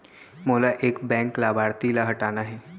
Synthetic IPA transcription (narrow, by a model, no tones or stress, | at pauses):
moːlaʔeːkbɛ̃ŋklabaɽt̪ilaɦəʈanaɦɛː